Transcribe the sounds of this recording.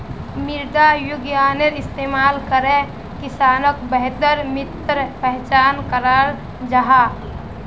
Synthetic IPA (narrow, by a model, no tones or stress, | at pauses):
mɪɾd̪ajʊɡjaːneɾɪst̪eːmaːlkəɾe | kɪsaːnəkbəɦd̪əɾmɪt̪ɾpɛɦt͡ʃaːnkəɾaːɾ | d͡ʒaɦaː